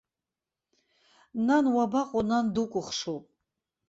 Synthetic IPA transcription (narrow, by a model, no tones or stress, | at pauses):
nanwabaqʼɔnand̪ukʷʼʊχʂupʼ